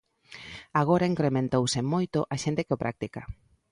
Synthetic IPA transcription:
aɣ̞oɾaiŋkɾemẽnt̪owsemojt̪oʔaʃẽnt̪ekɪopɾʔa̰k̚t̪ika

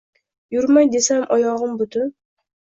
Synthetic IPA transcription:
jʊɾmajd̪e̞samʔɒjɒʁɨmbʊt̪ʰʊ

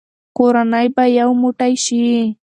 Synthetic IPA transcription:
qʊɾanajpajawmʊt̪ajʃɪ

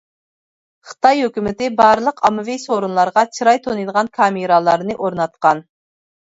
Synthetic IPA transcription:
χə̥t̪ɑjhøkʲymɪt̪ɪbɑɾlˠəqʰɑmɨvisoɾunlˠɑɾʁɑt͡ʃʰiɾɑjt̪ʰonɨjd̪əʁɑnkʰɑmɨɾɑlˠɑɾnɨʔoɾnɑt̪qɑn

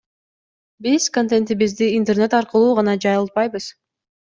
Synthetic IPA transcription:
biz̥kont̪ent̪iβizd̪iːnt̪erne̞t̪ɑɾqɯlˠuːʁɑnɑd͡ʒɑjɯlˠt̪̚pɑjbɯz̥

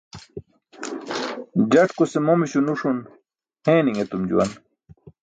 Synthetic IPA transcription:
d͡ʑɐʈkusemomiɕunuʂun | hẽːniŋet̪umd͡ʑṵwɐ̰n

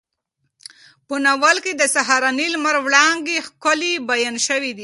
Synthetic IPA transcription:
pənawalked̪əsaɦaɾɑnilmaɾwɽɑŋɡexkʊlibajanʃəwid̪i

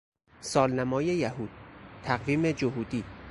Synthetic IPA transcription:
sɒːlnæmɒːjejæhuːd̪̥̚t̪ʰæɣviːmed͡ʒoɦuːd̪iː

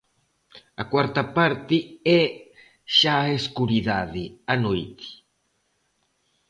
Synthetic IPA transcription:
akwaɾt̪apaɾt̪iɛ | ʃaeskuɾiðaðianojt̪i̥

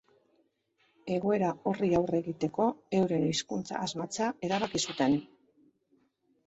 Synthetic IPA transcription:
e̞ɣo̞e̞ɾao̞riawre̞ɣit̪e̞ko̞e̞wɾe̞niskunt͡sa̰ːzmat͡sae̞ɾaβakisut̪e̞n

